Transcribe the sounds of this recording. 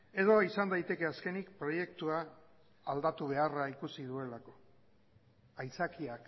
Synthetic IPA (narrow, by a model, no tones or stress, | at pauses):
e̞ðo̞isand̪ajt̪e̞ke̞aske̞nikpɾo̞je̞kt̪uaː | ld̪at̪uβ̞e̞araikusið̞ue̞lako̞̥ | ajt͡sakiak